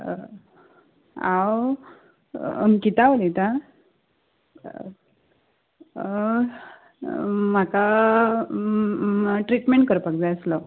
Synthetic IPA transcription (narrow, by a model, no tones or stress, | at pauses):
aw | kit̪aʋlit̪a | m̤aka | ʈɾiʈmeɳʈ̚kəɾpakd͡zajəslɔ